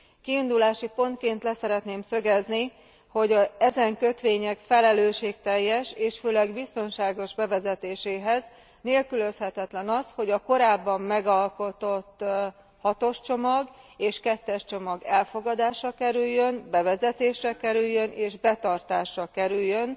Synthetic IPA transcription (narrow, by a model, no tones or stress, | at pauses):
kiind̪ulaːʃipo̞nt̪̚keːnt̪lɛsɛɾɛt̪neːmsø̞ɡɛzni | ho̞ɟɒɛzɛŋkø̞t̪ʋeːɲɛkfɛlɛløːʃeːk̚t̪ɛjːɛʃeːʃføːlɛɡbist̪o̞nʃaːɡo̞ʒbɛvɛzɛt̪eːʃeːɦɛz | neːlkylø̞shɛt̪ɛt̪lɛnɒsho̞ɟɒko̞ɾaːbːɒmːɛɡɒlko̞t̪o̞t̪ː | hɒt̪o̞ʃt͡ʃo̞mɒɡeːʃkɛt̪ːɛʃt͡ʃo̞mɒɡɛlfo̞ɡɒd̪aːʃɒkɛɾyjːø̞nbɛvɛzɛt̪eːʃrɛkɛɾyjːø̞nʔeːʒbɛt̪ɒrt̪aːʃrɒkɛɾyjːø̞n